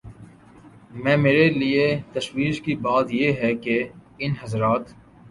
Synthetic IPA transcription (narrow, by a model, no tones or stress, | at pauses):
mɛ̃ːmeːɾeliet̪ɐʃwiːʃkibaːt̪jeɦɛkeɪnɦɐzɾaːt̪